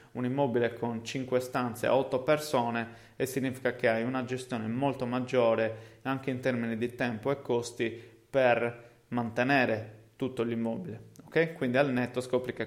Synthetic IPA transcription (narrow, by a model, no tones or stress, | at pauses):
unimːɔːbilekʰont͡ʃiŋkwest̪ant̪sḛa̰ɔt̪ːopersɔːne | esːiɲːiːfi̥kakeajunad͡ʒest̪jɔːnemɔlt̪omad͡ʒːɔːɾeaŋk̟eint̪erminid̪it̪ɛmpoɛkːost̪i | per | mant̪enɛːɾet̪ut̪ːolimːɔːbileokːɛjkwind̪ialnɛt̪ːoskɔpɾike